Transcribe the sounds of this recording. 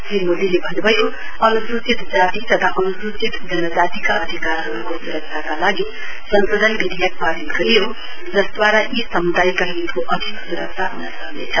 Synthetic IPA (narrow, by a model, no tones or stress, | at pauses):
kimod̪ilebʱʌnbʱʌjo | ʌnusɾut͡sit̪d͡zat̪it̪ʌt̪ʰaʔʌnusɾut͡sit̪d͡zʌnʌd͡zat̪ikaʌd̪ʱikarɦʌɾukosuɾʌk̚sʰakalaɡi | sʌnsod̪ʱʌnbid̪ʱijak̚padiɾʌjo | d͡zʌsd̪waɾajisʌmud̪ajkaɦit̪koʔʌd̪ʱiksuɾʌksʰaɦunʌsʌknḛt͡sʰʌ